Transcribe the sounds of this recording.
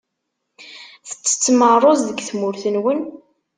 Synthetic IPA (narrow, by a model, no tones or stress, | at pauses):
θə̥t͡sːə̥t͡sːmərˤozðəɡθmʊɾθənwən